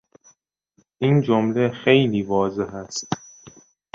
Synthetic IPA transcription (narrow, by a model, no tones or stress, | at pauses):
ʔiːnd͡ʒomlexe̞jliːvɒːzeɦæst̪